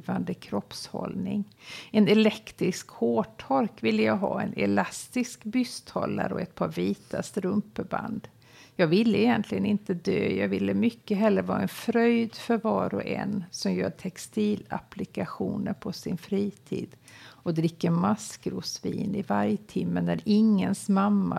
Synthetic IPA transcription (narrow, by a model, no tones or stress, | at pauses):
vand̪əkʰɾɔpshɔ̰lnɪŋ | ɛnɛlɛkt̪ɾɪskhoːʈʰɔɾkvɪlːəjɑːɡɦɑːɛnʔɛ̰last̪ɪskbʏst̪hɔlːa̰ɾɔɛt̪̚pʰɑːɾviːt̪ast̪ɾɵmpəba̰nd̪ | jɑːɡvɪlːəɛjɛnt̪ʰlɪɡənɪnt̪əd̪øːjɑːɡvɪlːəmʏkːəɦɛlːəɾvɑːɛnfɾœjd̪fœɾvɑːɾɔʔɛ̰nsɔmjœːʈʰɛkst̪iːlaplɪkaɧuːnəɾpʰɔsɪnfɾiːt̪ʰḭːd̪ɔd̪ɾɪkːəmaskɾʊsviːnɪvaɾjt̪ʰɪmːənæɾɪŋːənsmamːa